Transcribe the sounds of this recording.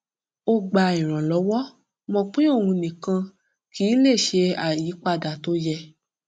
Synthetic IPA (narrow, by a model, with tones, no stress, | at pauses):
o˧ɡ͡ba˧ĩ˨ɾ̃ã˨lɔ˨˦wɔ˦ | mɔ̃˧k͡pĩ˦o˦˨wũ˧nĩ˨kã˧ | ki˨˦le˦˨ʃe˧a˨ji˨˦k͡pa˦˨da˨to˦jɛ˧